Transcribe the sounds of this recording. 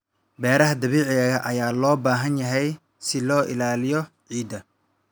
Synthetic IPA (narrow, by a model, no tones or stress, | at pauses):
bɛːɾɐɦɐd̪ɐβiːʕɪɐɣɐʔɐjaːlɔːbaːɦɐnjɐɦɛj | sɪlɔːʔɪ̰laːlɪjɔ | ʕiːd̪ɐ